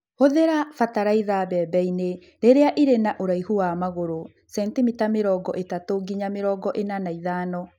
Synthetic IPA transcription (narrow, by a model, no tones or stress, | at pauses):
hoðeɾafataɾaiðabɛːbɛine | ɾeɾeaʔiɾenaʔoɾaihuwamaɣoɾo | sɛntimitameɾɔɡɔʔetatoɡiɲameɾɔːɡɔʔenanaiðaːnɔ